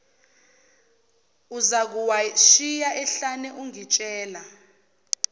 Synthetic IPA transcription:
uzak̬uwaʃijaʔɛɬanɛʔuŋit͡ʃʼɛːla

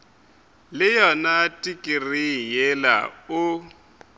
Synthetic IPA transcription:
lɪjɔnatʼikʼɪrijɛla̰ʊ

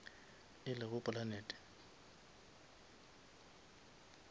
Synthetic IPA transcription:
ɪlɪɣʊpʼʊlanɛːtʼɛ̥

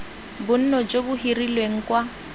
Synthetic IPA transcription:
bʊn̩nɔd͡ʒobʊhirilweŋ̩kwa

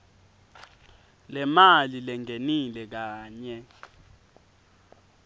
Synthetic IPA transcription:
lɛmalilɛŋenilɛk̬aːɲɛ

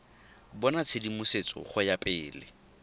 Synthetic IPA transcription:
bɔnat͡sʰedimʊset͡sʼɔ̰χʊjapʼɪːlɪ̰

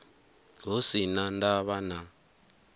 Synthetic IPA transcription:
ɡosinandaβana

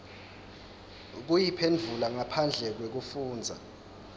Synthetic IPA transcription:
k̬ujipʰend͡ɮʱulaŋapʰand͡ɮʱɛk̬wek̬ufuːnd͡zʱa̰

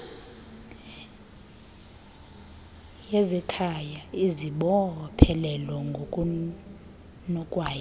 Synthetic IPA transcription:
jezɛkʰajaiziɓɔpʰɛlɛlɔŋɡʱokʼu | nɔkʼwaːja

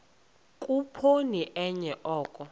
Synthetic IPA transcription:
kʼupʰoniʔɛɲɛʔɔːkʼɔ

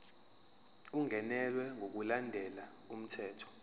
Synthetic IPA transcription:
uŋɛnɛlwɛŋʱok̬ulandʱɛla | um̩tʰɛːtʰɔ̥

